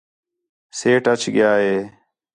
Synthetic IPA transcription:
seːʈət͡ʃʰɡɪjaːɦeː

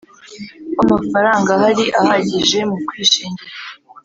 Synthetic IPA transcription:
amafaɾaːŋɡahaɾiʔahaɟiʒe̞mukwiːʃiːɲɟiɾa

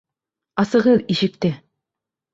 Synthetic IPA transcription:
ɑsɤ̆ʁɤðiʃɘ̆k̚t̪ɘ

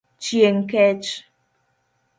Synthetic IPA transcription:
t͡ʃjeŋ̩kɛt͡ʃ

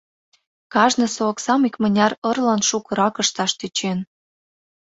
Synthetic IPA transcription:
kɑʒnɤ̆soːksɑmikmənʲɑɾɤrlɑnʃukɤ̆ɾɑkə̆ʃt̪ɑʃt̪et͡ɕen

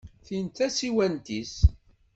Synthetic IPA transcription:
θint̪æsiwænt̪is

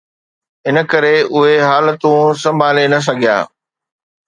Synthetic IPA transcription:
ɦɪnə̆kɐɾeʊɦeɦaːlət̪ũsɐ̃mbʱaːlenɐs̬ɐɡʱija̰ː

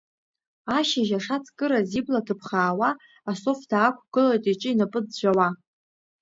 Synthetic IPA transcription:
aʃaʒaʂat͡sʰʼkʼɨɾaziblatʰɨpʰχaːwaː | so̞fdaːkʷʰʼɡ̥ɨlajtʼit͡ʃʼɪinapʼɨd͡zd͡ʒʷawa

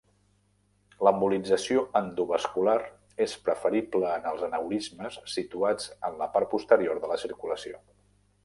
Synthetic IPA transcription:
ləmbulid͡zəsioənd̪uβəskulaɾ | espɾəfəɾibləːnəlˠzənəwɾizməsːit̪uad͡zənləpaɾt̪̚pust̪əɾioɾðələsiɾkuləsio

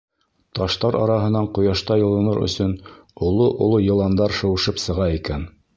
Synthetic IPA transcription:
t̪ɑʃt̪ɑɾɑɾɑɦɤ̆nɑɴqŏjɑʃt̪ɑjɤ̆lˠɤ̆nɤɾɵ̰̆sɵn | ŏlˠoʔo̰lˠojɤ̆lˠɑnd̪ɑɾʃɤ̆wɤ̆ʃɤpsɤ̆ʁɑikæn

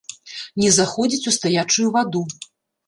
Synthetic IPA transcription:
nʲɛzaxɔd͡zʲit͡sʲust̪ajat͡ʂujuvad̪u

